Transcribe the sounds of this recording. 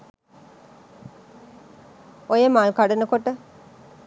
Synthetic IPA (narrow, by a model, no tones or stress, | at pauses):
ojemaːlkaɽɐnəkoʈːə